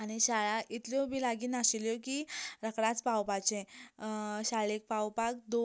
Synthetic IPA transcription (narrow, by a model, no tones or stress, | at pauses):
añiɕaɭaʔit̪ljɔbilaɡiːnaɕiljɔkiɾəkɽãt͡spawpat͡ɕẽ | ɕaɭek̚pawpak̚d̪o